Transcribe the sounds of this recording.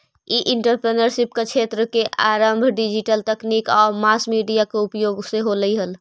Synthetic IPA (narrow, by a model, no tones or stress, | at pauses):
iʔiɳʈəɾpɾenəɾʃip̚ket͡ʃʰet̪ɾəkeʔaɾəmbʱɖid͡ʒiʈəlt̪ɛknikɔːɾmasmiɖijakeupjoɡseɦoləiɦəl